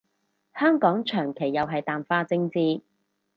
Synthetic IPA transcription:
hœː˥ŋkɔː˨˥ŋt͡ʃʰœː˨˩ŋkʰe˨˩jːɐ˨wɦɐ˨jt̪aː˨nfaː˧t͡sɪ˧ŋt͡siː˨˧

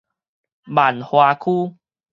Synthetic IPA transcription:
ba˨˩nhwa˧kʰuː˦

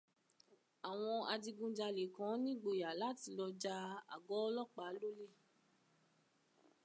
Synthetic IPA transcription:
a˨w̃ɔ̃˧a˧dĩ˧ɡũ˧d͡ʒa˧le˨kã˨˦nĩ˦ɡ͡bo˨ja˨la˨˦ti˧lɔ˧d͡ʒa˧a̰˨ɡɔ˨˦ɔ˦lɔ˦k͡pa˨˦lo˦le˦˨

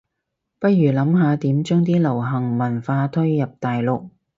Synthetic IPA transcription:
pɐ˥t̚jɥyː˨˩lɐ˨˥mɦaː˨˧t̪iː˨˥mt͡ʃœː˥ŋt̪iː˥lɐ˨˩wɦɐ˨˩ŋmɐ˨˩nfaː˧t̪ʰɵ˥ɥjɐ˨p̚t̪aː˨jlʊ˨k̚

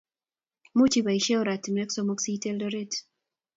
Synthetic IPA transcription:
mu˦t͡ʃi˨ba˨i˨ʃe˦ɔ˦ɾa˨ti˨nɛ˦ksomo˦ksi˦te˦ldɔɾe˦t

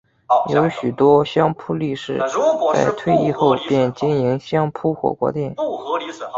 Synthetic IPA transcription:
jo˧˥ʊɕy˨˩t̪wɔ˥ɕjɑ˥ŋpʰu˥li˥˧ʂɻ̩˥˩t͡sa̰˥˧ɪt̪ʰwe˥ɪi˥˧xo˥˧ʊpjɛ˥˩nt͡ɕjɛ˥˩ni˧˥ŋɕjɑ˥ŋpʰu˥xwɔ̰˨˩kwɔ̰˧˥t̪jɛ˥˩˦n

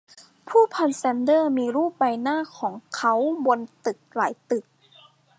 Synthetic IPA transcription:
pʰuː˥˩pʰa˧nsɛ˧ndɤː˥˩miː˧ɾuː˥˩p̚ːa˧jnaː˥˩kʰɔː˩˦ŋkʰa˦˥wbo˧nt̪ɯ˨˩k̚la̰ː˩˦jt̪ɯ˨˩k̚

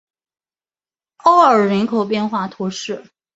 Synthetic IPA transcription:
ɑ˥ʊə˞˨˩ɻə˧˥nkʰo˨˩ʊp̬jɛ˥˧nxwa˥˩t̪ʰu˧˥ʂɻ̩˥˩

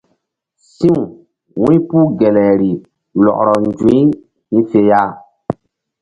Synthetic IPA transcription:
sĩ˦ũ˨ | wũ˦i˦pu˦ɡɛ˨lɛ˨ɾi˨ | lɔ̰˨ʔɾɔ˨n˨d͡ʒwĩ˨˦ | nĩ˦fe˦ja˦˨

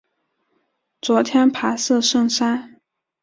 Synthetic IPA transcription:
t͡swɔ˧˥t̪ʰjɛ˥npʰa˧˥sɹ̩˥˧ʂɤ˥˩ŋʂa˥

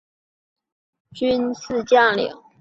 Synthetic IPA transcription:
t͡ɕy˥nsɹ̩˥˧t͡ɕja˥˩lḭ˨˩˦ŋ

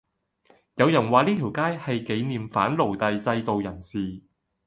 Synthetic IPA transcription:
jɐ˨˧wjɐ˨˩nwaː˨liː˥t̪ʰiː˨˩wkaː˥jhɐ˨jke˨˥jniː˨mfaː˨˥nlo˨˩wt̪ɐ˨jt͡sɐ˧jt̪o˨wjɐ˨˩nsiː˨

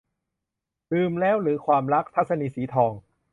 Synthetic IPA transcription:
lɯː˧mlɛː˦˥wɾɯː˩˦kʰwaː˧mɾa˦˥k̚t̪ʰa˦˥sa˧niː˧siː˩˦t̪ʰɔː˧ŋ

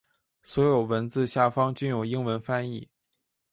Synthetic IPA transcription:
swɔ˧˥jo˨˩ʊwə˧˥nt͡sɹ̩˥˧ɕja˥˩fɑ˥ŋt͡ɕy˥˩njo˨˩ʊi˥ŋwə˧˥nfa˥ni˥˩

